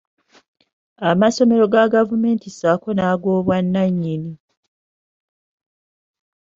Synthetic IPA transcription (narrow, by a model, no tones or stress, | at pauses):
amaso̞me̞ɾo̞ɡaɡavume̞ːntisaːko̞naːɡo̞ːβwanːaɲːini